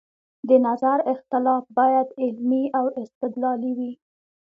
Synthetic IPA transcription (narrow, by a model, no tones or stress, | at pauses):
d̪ənazaɾɪxt̪ɪlɑfbɑjad̪ɪlmiawɪst̪ɪd̪lɑliwi